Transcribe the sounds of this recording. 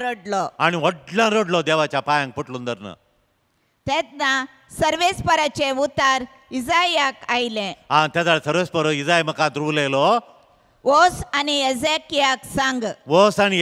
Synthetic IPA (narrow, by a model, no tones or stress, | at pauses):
ɾəɖlɔañiʋɔʈlãɾəɽlɔd̪eʋat͡ɕjapajãŋk̚pəʈlund̪əɾnə̰ | t̪et̪̚na | səɾʋespəɾat͡ɕeut̪aɾ | id͡zajjakajlẽãt̪jad͡z̪aɭsəɾʋespəɾoid͡zajməkãt̪ɾulelɔ | ʋosanied͡zekijaksãŋɡʋosani